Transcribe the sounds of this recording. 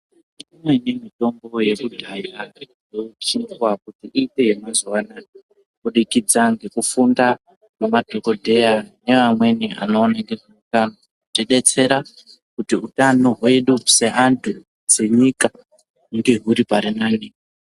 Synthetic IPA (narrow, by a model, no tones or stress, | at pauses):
uimwenemito̞mbo̞je̞kuɡʱaja | ot͡ʃinwakutiʔiːtejemazowana | kuɗikid͡zaŋɡe̞kufunda | memad̥ʱoko̞dʱe̞jane̞ʋamwe̞nia̰no̞ːnaŋɡe̞ʐeutano | teɗe̞t͡se̞ɾa | kutiutanoɦaeɗuuseʔantʰu | d͡ze̞ɲika | ŋɡeɦuɾipaɾinaːni